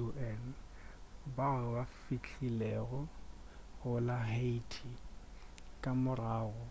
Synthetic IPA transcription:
uɛn | baɣbafit͡ɬʰilɛɣɔ | ɣʊlaɦetʰi | kʼamʊraːɣɔ

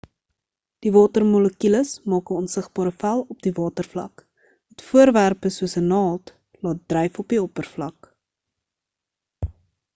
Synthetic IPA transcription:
d̥ivɑːtərmɔləkyləsmɑːkəɔnsəχbɑːɾəfælˠɔp̚divɑːtərflɐ̰k | mɛtfuərværpəsuəsənɑːt | lɑːt̚drɛjfɔpiɔpərflɐk

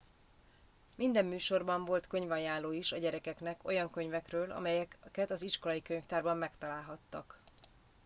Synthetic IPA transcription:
mind̪ɛmːyːʃo̞rbɒɱvo̞lt̪kø̞ɲvɒjjaːlːoːiʃɒɟɛɾɛkɛknɛko̞jɒŋkø̞ɲvɛkrøːlɒ̰mɛjɛkɛt̪ɒziʃko̞lɒjikøɲft̪aːrbɒmːɛkt̪ɒlaːlɦɒt̪ːɒk

